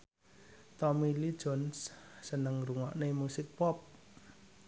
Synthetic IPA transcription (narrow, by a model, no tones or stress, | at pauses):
t̪ɔmilid̥ʒ̥ɔ̤nssənəŋruŋɔʔnemusɪk̚pɔp̚